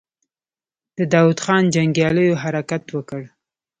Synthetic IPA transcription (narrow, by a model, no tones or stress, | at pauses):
d̪̥əd̪ɑwud̪xɑnd͡ʒaŋɡjɑləjoɦaɾakat̪wəkəɽ